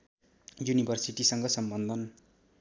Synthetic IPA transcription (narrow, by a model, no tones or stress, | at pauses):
junibʱʌrsiʈisʌŋɡʌsʌmbʌnd̪ʱʌn